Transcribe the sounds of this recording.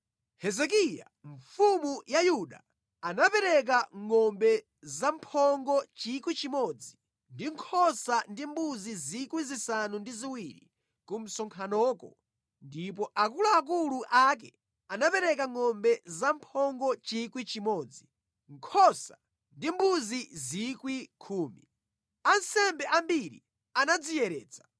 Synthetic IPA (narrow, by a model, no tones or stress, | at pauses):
hɛzɛk̬ija̰ | ɱfumujajuɗa̰ | anapɛɾɛk̬aŋɔmbɛ | zampʰɔŋɡɔt͡ʃikwit͡ʃimɔd͡zi | ndiŋkʰɔsandimbuzizikwizisanundiziwiɾḭ | kum̩sɔŋkʰanɔːkɔ | ndip̬ɔʔakulaːk̬uluʔak̬ɛ | anapɛɾɛk̬aŋɔmbɛzampʰɔŋɡɔt͡ʃikwit͡ʃimɔːd͡zi | ŋkʰɔsa | ndimbuzizikwikʰuːmḭ | ansɛmbɛʔambiɾḭ | anad͡zijɛɾɛːd͡zḁ